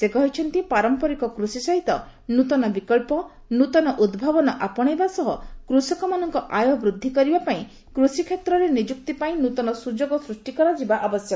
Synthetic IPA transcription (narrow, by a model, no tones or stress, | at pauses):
sekɔɦit͡ʃʰɔnt̪ipaɾɔmpɔɾikɔkɾusisɔɦit̪ɔ | nut̪ɔnɔbikɔɭpɔ | nut̪ɔnɔʔud̪bʱabɔnɔʔapɔɽ̃ebasɔɦɔkɾusɔkɔmanɔŋkɔʔajɔɦbɾud̪ʱːikɔɾibapaĩ | kɾusikʰet̪ɾɔɾenid͡ʒuk̚t̪ipaĩnut̪ɔnɔsud͡ʒoɡɔsɾusʈikɔɾɔd͡ʒibaʔɔbɔsjɔ